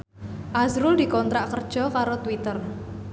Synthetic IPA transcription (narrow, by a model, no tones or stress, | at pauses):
ʔazɾʊld̪i̤kɔnt̪ɾaʔkərd̥ʒ̥ɔ̤kaɾot̪wit̪ər